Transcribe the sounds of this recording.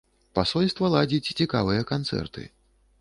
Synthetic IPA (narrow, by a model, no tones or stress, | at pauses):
pasɔlʲst̪vɐlˠad͡zʲit͡sʲt͡sʲikavɨjɐkant̪sɛ̰rt̪ɨ̰